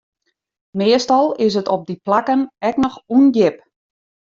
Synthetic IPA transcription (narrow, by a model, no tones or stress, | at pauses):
mɪəstɑlˠɪs̬ətɔp̚diplakənɛknɔxunjɪp